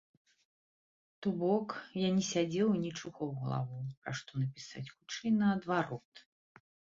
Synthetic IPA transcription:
t̪ubɔkjanʲɛsʲad͡zʲɛwnʲit͡ʂuɣɔwɣɐlˠa̰vuwpɾaʂt̪ɔnɐpʲisa̰t͡sʲxut͡ʂɛjnɐːd̪vaɾɔt̪

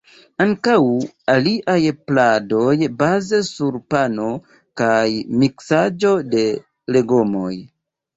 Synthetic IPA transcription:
aŋkaw | aliʔajplado̞jbazesuɾpano̞ | kajmiksad͡ʒo̞de̞ | le̞ɡomo̞̰j

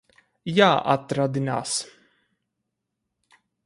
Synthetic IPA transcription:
jaːʔa̰t̪ːɾad̪ɪna̰s

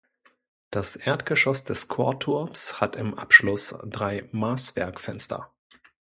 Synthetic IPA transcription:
d̥asʔeːɐtɡ̥əʃɔsd̥ɛskʰoɐtʰʊɐpshatɪmʔa̰pʃlʊsd̥ʁaɪmaːsv̥ɛ̰ɐkfɛnstʰɐ̰

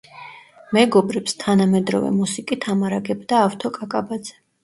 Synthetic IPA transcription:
mɛɡɔbɾɛpst̪ʰanamɛd̪ɾɔ̰vɛ̰musikʼit̪ʰamaɾaɡɛbd̪aːft̪ʰɔkʼakʼabad̪z̥ɛ̥

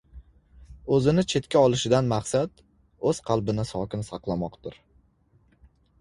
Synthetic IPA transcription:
ɵzɪnɪt͡ʃʰe̞t̪kʲaɒlˠɪʃɪd̪anmaχsat̪ | ɵz̥qʰɑlˠbɪnɪsɒkʲɪnsɑqlˠamɒqt̪ʊɾ

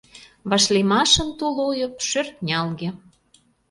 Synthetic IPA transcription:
βɑʃlemɑʃə̆nt̪olojɤ̆pʃørknʲɑlɣĕ

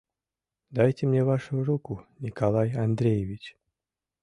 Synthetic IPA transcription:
d̪ajtʲɪmnʲevaʂʊɾukʊnʲɪkalˠajand̪ɾʲejɪvʲit͡ɕ

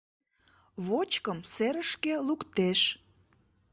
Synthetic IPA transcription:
βot͡ɕkəmseɾəʃkelukt̪eʃ

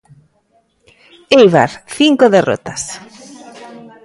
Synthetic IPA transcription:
ejβa̰ɾθiŋkoðero̰t̪as

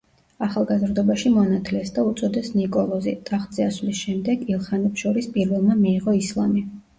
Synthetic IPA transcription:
aχalˠɡazɾd̪ɔbaʃimɔanat̪ʰlɛsd̪aut̪sʼɔd̪ɛsnikʼɔlˠɔzḭt̪ʼaχd̪z̥iaslisʃɛmd̪ɛɡilˠχanɛpsʃɔɾispʼiɾvɛlˠmamiːʁɔislˠami

